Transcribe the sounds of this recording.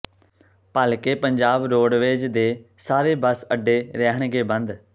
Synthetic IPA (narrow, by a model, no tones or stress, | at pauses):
paːlkeːpəɲd͡ʒaːbɾoːɖʋeːd͡ʒd̪eːsaːɾeːbəsəɖːeːɾɛɦəɳ̃ɡeːbə̃nd̪